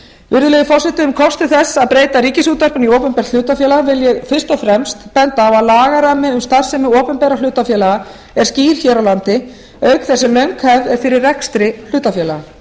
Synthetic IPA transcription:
vɪɾðʏlɛjðɪfɔr̥sɪht̪ɪʏmkʰɔrst̪ɪθɛsːaðpɾeːjt̪aɾiːcɪsuːt̪ar̥pʏnioːpɛmpɛɾt̪l̥ʏːt̪afjɛːlaɣvɪljɛɣfɪ̥st̪ɔfɾɛmst̪pɛnt̪aːvaðlaːɣaɾamɪʏmst̪ḁsɛmːɪoːpɛmpɛːɾalʏːt̪afjɛːlaɣa | ɛɾ̥sciːɾ̥çɛːɾawlant̪ɪ | œːɥkθɛsːɪlœɥŋkhɛvðɛɾfɪɾɪrrɛkst̪ɾɪl̥ʏːt̪afjɛːlaɣ

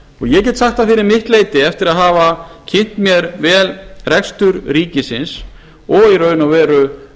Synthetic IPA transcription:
ɔɣjɛcɛt̪saht̪afɪɾɪɾmɪht̪leːjt̪ɪɛft̪ɪɾaðɦaːvacʰɪn̥t̪mjɛɾvɛːlrɛkst̪ʏɾriːcɪsɪns | ɔɣiɾœːɥnawvɛːɾʏ

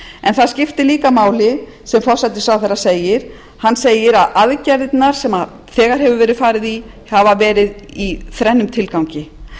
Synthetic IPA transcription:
ɛnθaðscɪft̪ɪliːkamaːwlɪ | sɛmfɔr̥sajt̪ɪ̥saːwθɛɾːaseːjɪɾ̥ | hanːseːjɪɾaðaðcɛɾt̪naɾ̥sɛma | θɛːɣaɾ̥hɛvʏvɛːɾɪðfaːɾɪði | havavɛːɾɪðiθɾɛnːʏmt̪ʰɪlkawɲcɪ

